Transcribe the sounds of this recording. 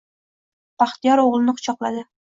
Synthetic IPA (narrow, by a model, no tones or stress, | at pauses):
b̥aχt̪ɪjɒɾoʁlˠɪnɪqʰʊ̥t͡ʃʰɒqlˠad̪ɪ